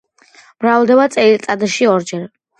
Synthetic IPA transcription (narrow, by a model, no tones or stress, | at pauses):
mɾavlˠd̪ɛbat̪sʼɛilt̪sʼad̪aʃiɔɾd͡ʒɛɾ